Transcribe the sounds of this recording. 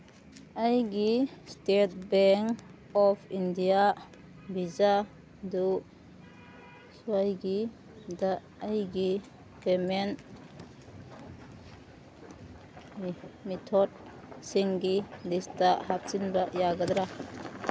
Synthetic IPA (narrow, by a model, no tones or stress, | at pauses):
ajɡistet̚bɛŋ | ɔpʰindija | biza | du | suajɡi | daː | jɡi | pemen | metʰɔd̚ | siŋɡidistahap̚sinbaʔjaɡad̪ɾa